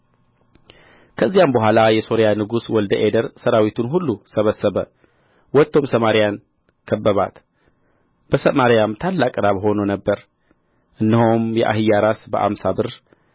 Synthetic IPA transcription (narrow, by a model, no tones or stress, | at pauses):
kʰəzːijambəɦʷalajɛso̞ɾjanɨɡuswɔld̪əʔed̪əɾsəɾawit̪ʰunɦulːusəβəsːəβə | wɔt̪ːo̞msəmaɾijan | kʰəbːəβa̰t̪ | b̥əsəmaɾijamt̪ʰalːakʼɨɾaβɦo̞nonəbːəɾ | ʔɨnːiɦomjɛ̰ʔa̰ɦɨjːaɾasbəʔa̰msabɨɾ